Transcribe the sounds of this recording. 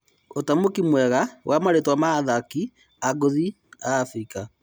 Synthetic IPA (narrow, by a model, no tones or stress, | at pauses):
otamokimwɛɣawamaɾetwamaːðaki | aɡoði | aːfɾika